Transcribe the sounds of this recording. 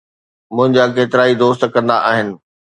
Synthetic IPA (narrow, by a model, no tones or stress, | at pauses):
mʊ̃ɦɪ̃ɲd͡ʑak̬eːt̪ɪɾaːid̪oːst̪kɐ̃nd̪aʔaːɦɪnɪ̆